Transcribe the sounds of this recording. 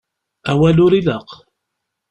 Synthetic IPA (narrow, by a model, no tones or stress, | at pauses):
æwælʊɾiðəq